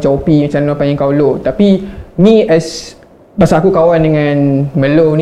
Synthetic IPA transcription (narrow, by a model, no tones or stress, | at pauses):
t͡ʃɔpimat͡ʃamlapaɲaŋkawlot̪apimĩʔɛs | basaːkukawandəŋãnmə̃lon